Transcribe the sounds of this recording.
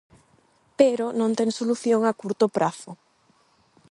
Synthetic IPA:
peɾonõnt̪ɛŋsoluθjoŋakuɾt̪opɾaθʊ

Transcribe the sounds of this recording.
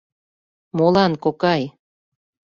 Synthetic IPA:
molɑnkokɑj

